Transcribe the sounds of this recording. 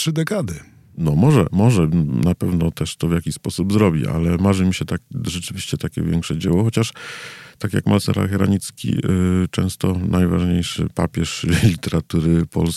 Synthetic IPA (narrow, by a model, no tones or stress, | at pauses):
tʂɘd̪ɛkad̪ɘ | nɔmɔʐɛ̰mɔʐɛnapɛvnɔt̪ɛʂt̪ɔvjakʲispɔsubzɾɔbʲiʔa̰lɛmaʐɘmʲiɕɛt̪akʐɛt͡ʂɘvʲiɕt͡ɕɛt̪akʲɛ̰vʲjɛŋkʂɛd͡ʑɛwɔxɔt͡ɕaʂt̪akʲjakmʔalsɛ̰ɾa̰lxɛɾa̰ɲit̪skʲḭt͡ʂɛ̰̃w̃st̪ɔnʔajvaʐɲejʂɘ̰pa̰pʲjɛʂlʲit̪ɛɾat̪uɾɘpʰɔ̰ls